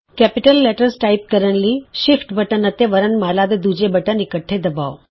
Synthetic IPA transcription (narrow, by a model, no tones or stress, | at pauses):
kæpiʈəlːɛʈəɾsʈaip̚kəɾəɳliːɕifʈbəʈənət̪eʋəɾənmalad̪ed̪ud͡ʑebəʈənikəʈʰːed̪əbaʋ